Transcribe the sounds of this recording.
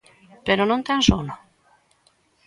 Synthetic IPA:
peɾɔnõnt̪ansono

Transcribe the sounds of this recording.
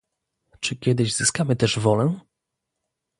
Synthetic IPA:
t͡ʂɘkʲjɛd̪ɘʑzɘskamɘt̪ɛʐvɔlɛ

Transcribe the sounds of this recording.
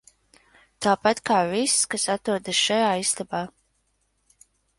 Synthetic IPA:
t̪aːpat̪kaːvisskasat̪ɾuɔd̪asʃajaːist̪abaː

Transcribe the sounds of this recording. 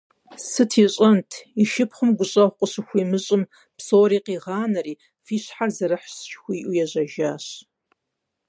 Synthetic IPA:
sɨtʰiːɕʼɐntʰiʃɪpχʷʊmɡʷʊɕʼɐχʷqʷʼəɕɨxʷiːmɨɕʼɨm | psoːɾiːqiːʁɑːnɐriː | fiːɕħarzɐɾɨħst͡ʃxʷiːʔujɛʑɐʒaːɕ

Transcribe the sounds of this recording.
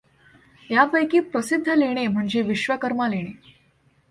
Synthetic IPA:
japəjkiːpɾəsid̪ʱːəleɽ̃em̤əɳd͡ʑeʋiɕʋəkəɾmaleɽ̃e

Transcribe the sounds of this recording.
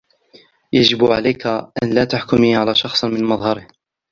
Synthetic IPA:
jad͡ʒɪbʕalajkaʔanlaːt̪aħkʊmiːʕalaːʃɑxsˤmɪnmɑðˤhɑɾɪh

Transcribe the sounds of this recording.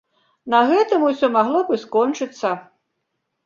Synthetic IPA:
nɐɣɛt̪ɨmusʲɔmaɣlˠɔbɨskɔnt͡ʂɨt̪sːɐ

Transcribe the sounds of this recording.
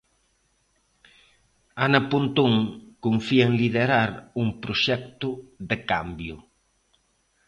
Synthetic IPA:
anɐpunt̪uŋkuɱfienliðeɾaɾuŋpɾʊʃɛk̚t̪ʊðekambjʊ

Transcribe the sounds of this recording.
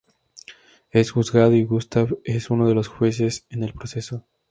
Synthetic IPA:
e̞sxuzɣað̞oiɣust̪aβesuno̞ð̞elo̞sxwe̞s̬e̞sene̞lpɾose̞so̞

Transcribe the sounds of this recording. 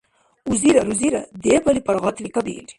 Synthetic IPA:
uziɾɐɾuziɾa̰d̪epɐlipɐɽɣɑt̪likabḭli̥

